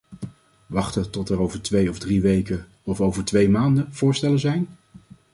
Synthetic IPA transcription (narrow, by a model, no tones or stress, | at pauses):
ʋɑχtətɔtɛɹowvəɹtʋejɔvdriʋejkə | ɔfowvəɹtʋejmaːndəv̥ʊːɹstɛləzɛjn